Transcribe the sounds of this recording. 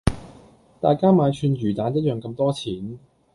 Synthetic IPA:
t̪aː˨˩jkaː˥maː˨˧jt͡ʃʰyː˨˧njyː˨˩t̪aː˨˥njɐ˥t̚jœː˨˩ŋkɐ˧mt̪ɔː˥t͡sʰiː˨˥n

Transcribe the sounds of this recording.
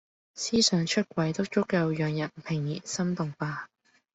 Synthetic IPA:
siː˥sœː˨˧ŋt͡ʃʰɵ˥t̚kʷɐ˨˧jt̪ʊ˥k̚t͡ʃʊ˥kːɐ˧wjœː˨ŋjɐ˨˩npʰɪ˨˩ŋjḭː˨˩sɐ˥mt̪ʊ˨ŋpaː˧

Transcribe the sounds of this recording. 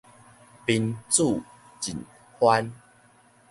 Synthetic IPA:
pi˧nt͡su˥˨ | t͡ɕi˨˩n | hwa˦n

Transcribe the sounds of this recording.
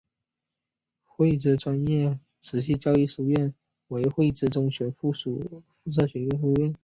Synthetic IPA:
xwe˥˧ɪʈ͡ʂ̩˥˩ʈ͡ʂwa˥njɛ˥˩ | t͡sʰɹ̩˧˥ɕi˥˩t͡ɕjɑ˥ʊi˥˩ʂu˧˩ɥɛ˥˩n | we˧˥ɪxwe˥˧ɪʈ͡ʂɹ̩˥˩ʈ͡ʂʊ˧˥˩ŋɕɥɛ˧˥nffu˥˩t͡sʰɤ˥˩ɕɥɛ˧˥nɛ˥˧fu˥˧ɥɛ˥˩n

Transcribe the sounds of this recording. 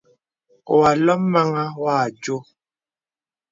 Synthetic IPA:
o˨wa˨lɔ˦mmːa˦ŋa˦waː˦˨d͡ʒo˦

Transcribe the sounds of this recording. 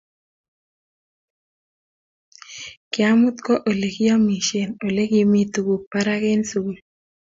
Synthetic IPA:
kɪ˨a˦mʊ˦t̪kɔ˦ʔo˨le˨ki˦ɔ˦mi˨ʃe˨no˨le˦ki˦mi˦tu˨ku˨k̚pa˦ɾa˦ke˦nsu˨l

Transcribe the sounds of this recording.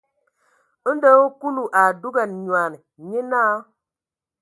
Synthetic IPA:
ə˦n˦də˦o˦ku˦lu˨ʔa˨du˦ɡa˨n˨ɲwa˨ni˨ɲe˦na˦

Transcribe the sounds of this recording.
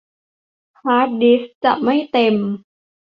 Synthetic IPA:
kʰaː˦˥t̪̚di˦˥st͡ɕa˨˩ʔma˥˩jt̪e˧m

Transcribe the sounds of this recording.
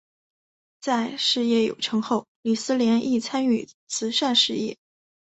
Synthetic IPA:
t͡sa˥˧ɪʂɻ̩˥˧jɛ˥˩jo̰˨˩ʊʈ͡ʂʰɤ˧˥ŋxo˥˩ʊli˨˩sɹ̩˥ljɛ˧˥nʔi˥˩t͡sʰa˥ny˥˩t͡sʰɹ̩˧˥ʂa˥˧nʂɻ̩˥˧jɛ̰˥˩

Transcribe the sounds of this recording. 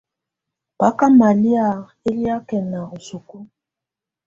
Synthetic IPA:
pa˦ka˦ma˨li˦a˨ | e˦li˦a˦kɛ˨na˨ɣu˨su˨ku˦

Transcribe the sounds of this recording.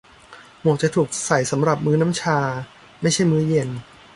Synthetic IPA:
mu˨˩k̚t͡ɕa˨˩t̪ʰuː˨˩k̚sa˨˩jsa˩˦mɾa˨˩p̚mɯː˦˥na˦˥mt͡ɕʰaː˧ | ma˥˩jt͡ɕʰa˥˩jmɯː˦˥je˧n

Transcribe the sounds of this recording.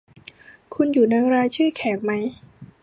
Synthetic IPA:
kʰu˧njuː˨˩na˧ŋɾaː˧jt͡ɕʰɯː˥˩kʰɛː˩˦k̚ma˦˥j

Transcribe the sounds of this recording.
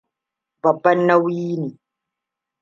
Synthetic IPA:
bɐ˨bːɐ˦nːɐ˦wjiː˦neː˨

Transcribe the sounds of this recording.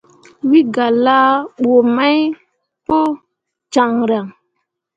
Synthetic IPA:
wi˦ɡa˨la˦ɓo˨ma˦j | po˦ | t͡ʃa˨ŋɾa˨ŋ

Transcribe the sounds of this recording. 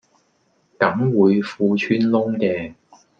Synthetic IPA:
kɐ˨˥mwuː˨˧jfuː˧t͡ʃʰyː˥nlʊ˥ŋkɛː˧

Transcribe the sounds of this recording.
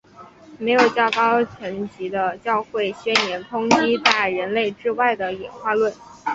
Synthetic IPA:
me˧˥ɪjo˨˩ʊt͡ɕjɑ˥˧ʊkɑ˥ʊt͡ɕʰɥɛ˧˥nt͡ɕi˧˥d̪ə˧t͡ɕjɑ˥˧ʊxwe˥˩ɪɕɥɛ˥nnjɛ˧˥nt̪ʰʊ˥ŋt͡ɕi˥t̪a˥˩ɪɻə˧˥nle˥˩ɪʈ͡ʂɻ̩˥wa˥˩ɪd̪ə˩jɛ˨˩nxwa˥˧lwə˥˩n

